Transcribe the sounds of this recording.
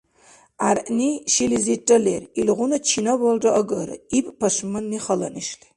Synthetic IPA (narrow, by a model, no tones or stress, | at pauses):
arʔniʃiliziʈ͡ʂʼɐlḛrilʁʷʊnɐt͡ʃʰinɐwɐldʼɐʔɐɡɨɾɨ̰ipʼpʰɐʂmɨnːiχɐlɐ̰niʃli